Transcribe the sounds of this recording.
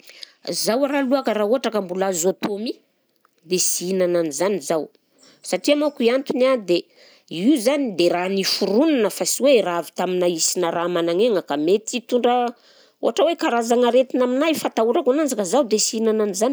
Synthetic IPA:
zawaɾaluakəɾauɦaʈ͡ʂakambulazot̪omi | d̪esiinananizanizaw | saʈ͡ʂiamakuiant̪unad̪e | iuzanid̪eranifuɾunanəfasiweravit̪aminaisinaramanaŋeŋəkamet̪it̪uɳɖ͡ʐə | o̰ɦaʈ͡ʂəwekaɾazaŋaɾet̪inaminajfat̪auɾakanand͡zakəzawd̪esiinananizani

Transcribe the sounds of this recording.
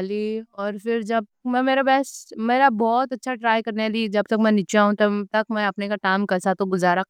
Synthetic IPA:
liɔːɾfɪɾd͡ʒɐb̚mɛ̃meːɾabɛːsmeːɾabɔːt̪ɐtːʃʰaʈɾaːjkɐɾnaliːd͡ʒɐb̚t̪ɐkmɛ̃nɪt͡ʃaɦũt̪ɐt̪ɐkmɛ̃ɐpnekaʈaːɪmkɐsat̪oɡʊzaːɾa

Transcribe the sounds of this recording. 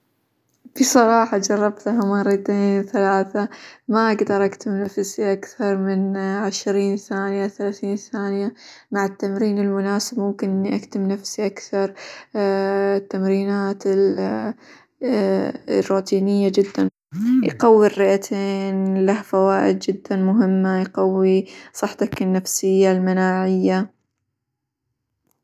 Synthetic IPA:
fisˤɑɾˤɑːħɑd͡ʒɑrˤːɑbt̪ɦamɑrˤːɑt̪eːnθalaːθamaʔaɡd̪ɑɾˤʔakt̪ɪmnafsiʔakθɑɾˤmɪnʕɪʃɾiːnθaːnɪjaθalaːθiːnθaːnjamaʕɪt̪ːamɾiːnɪlmʊnaːsɪbmʊmkɪnʔɪnːiʔakt̪ɪmnafsiʔakθɑɾˤ | t̪ːamɾiːnaːt̪ɪ | rːuːt̪ʰiːnɪjːad͡ʒɪd̪ːan | jqɑwːirːɪʔat̪ʰeːnlahfawaːʔɪd̪̚d͡ʒɪd̪ːanmʊɦɪmːajqɑwːisˤɑħt̪ˤɑkɪnːafsɪjːalmanaːʕɪjːa

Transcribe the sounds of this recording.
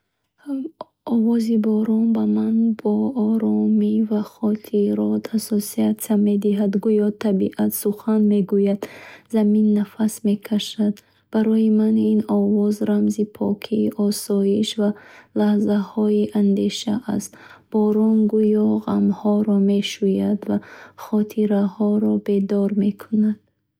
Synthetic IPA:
ɔvɔzibɔɾɔnbamanbɔɔɾɔmivaχɔt̪ʰiɾɔt̪ʰasɔsiat̪ame̞d̪iɦad̪ɡujɔt̪ʰabiʔat̪suχanme̞ɡujad̪zaminːafasme̞kʰaʃad̪ | b̥aɾɔjimaninɔvɔzɾamzipʰɔkʰiːʔɔsɔjiʃvalahzahɔiʔand̪e̞ʃaʔast̪b̥ɔɾɔnɡujɔʁamhɔɾɔme̞ʃujad̪vaχɔt̪ʰiɾahɔɾɔbe̞d̪ɔɾme̞kʰunad̪̥̚

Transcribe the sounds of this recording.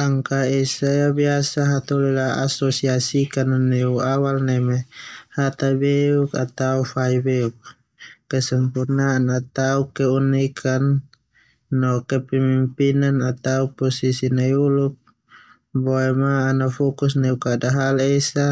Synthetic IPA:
aŋkaɛsajabiasaɦat̪ɔlɛlaa̰sɔsiasikananɛuawalnɛmɛhat̪abeukat̪aufaibɛuk̚ | kɛsɛmpurnaːnat̪aukɛunɛkʰanː | ɔkɛpɛmimpinanat̪aupɔsisinajulup̚ | bɔɛmaːnafɔkus̬nɛukadaɦalɛsa

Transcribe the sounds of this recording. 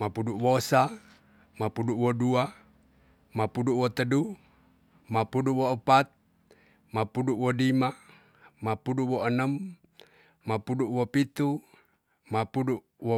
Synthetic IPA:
mapuduʔwosa | mapuduʔwodua | mapuduʔwot̪ədu | mapuduʔwoəpat̪̚ | mapuduʔwodima | mapuduʔwoənəm | mapuduʔwopit̪u | mapudu | wo

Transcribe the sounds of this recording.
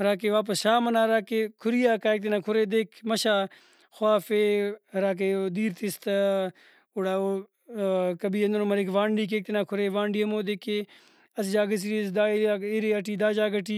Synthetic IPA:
ɾaːk̬eːʋaːp̬əsʃaːmɐnaːɾaːkeːkʰʊɾijaːkaːek̚t̪enaːkʰʊɾeːd̪eːkʰmɐʃaː | xʊaːfeːɾaːk̬eːd̪iːɾt̪ɪst̪a | ʊɽaːoː | kɐbiːɐnd̪ɐnomɐɾekʋãːɳɖiːk̬eːk̚t̪inaːkʰʊɾeːʋãːɳɖiːɐmoːd̪ekeː | ɐsd͡ʒaːɡɐs̬iɾisd̪aːiaːeɾeːɐʈiːd̪aːd͡ʒaːɡɐʈiː

